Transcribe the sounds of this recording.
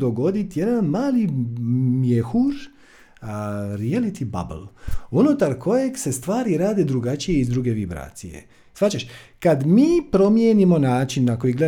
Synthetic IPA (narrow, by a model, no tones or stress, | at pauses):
d̪o̞ɡo̞d̪it̪je̞d̪anmaːli | mjexuɾ | ɾialit̪ʰiba̰blˠunut̪aɾko̞je̞ɡse̞st̪ʋaːɾiɾaːd̪e̞d̪ɾuɡat͡ʃijeizd̪ɾuɡe̞ʋibɾa̰ːt̪sije̞̰ | sʋat͡ɕaʃkad̪miːpɾo̞mjenimo̞naːt͡ʃinːako̞jiɡle